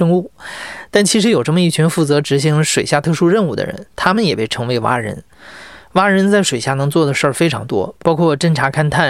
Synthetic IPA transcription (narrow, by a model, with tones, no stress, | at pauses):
ʂɤ˥ŋu˥˩t̪a˥˩nt͡ɕʰi˧˥ʂ̬ɻ̩˧˥jo˨˩ʊʈ͡ʂə˥˩mə˩i˥˩t͡ɕʰy˧˥nfu˥˩t͡sɤ˧˥ʈ͡ʂɻ̩˧˥ɕ̬i˧˥ŋlʂwe˨˩ɪɕja˥˧t̪ʰɤ˥˧ʂu˥˧ɻə˥˧nu˥˩d̪ə̰˩ɻə̰˧˥nt̪ʰa˥mə˨njɛ˨˩pe˥˩ɪʈ͡ʂʰɤ˧˥ŋwe˧˥ɪwa̰˥ɻə̰˧˥n | wa˥ɻə˧˥nt͡sa˥˩ɪʂwe˨˩ɪɕja˥˩nɤ˧˥ŋt͡swɔ˥˩d̪ə˩ʂə˞˥˩fe˥ɪʈ͡ʂʰɑ˧˥ŋt̪wɔ̰˥pɑ˥ʊkʰwɔ˥˩ʈ͡ʂə˥nʈ͡ʂʰa˧˥kʰa˥nt̪ʰa˥˩